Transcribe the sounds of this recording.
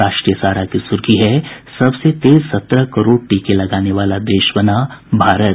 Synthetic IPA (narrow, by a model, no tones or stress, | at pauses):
aːʃʈɾijəsaːɾakisʊɾkiɦɛsɐbset̪eːzsɐt̪ɾəkɐɾoːɽʈiːkelɐɡaːneʋaːlad̪eːʃbɐnabʱaːɾət